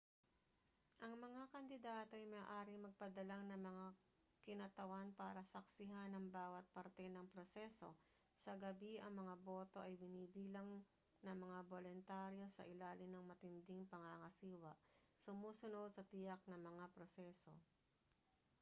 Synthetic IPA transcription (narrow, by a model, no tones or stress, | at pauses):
ʔɐŋmɐŋakɐnd̪ɪd̪aːt̪o̞ʔɐjmɐaʔaːɾɪŋmɐɡ̚pɐd̪ɐlaŋnɐmɐŋa | kɪnɐt̪ɐwanpa̰ːɾɐsɐk̚sɪɦanɐŋbaːwɐt̪̚pɐɾt̪ɛnɐŋpɾosɛso̞ | sɐɡɐbiʔɐŋmɐŋabo̞ːt̪o̞ʔɐjbɪniːbiːlɐŋ | nɐŋmɐŋabolʊnt̪aːɾjo̞sɐ̰ʔɪlaːlɪŋnɐŋmɐt̪ɪnd̪ɪŋpɐŋaŋɐsiːwɐʔsʊmuːsʊno̞d̪̚sɐt̪ɪjɐk̚nɐŋmɐŋapɾosɛːso̞